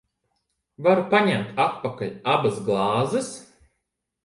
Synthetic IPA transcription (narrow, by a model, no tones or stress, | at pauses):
vaɾupaɲæmt̪at̪pakaʎʲabasɡlˠɑːzɨs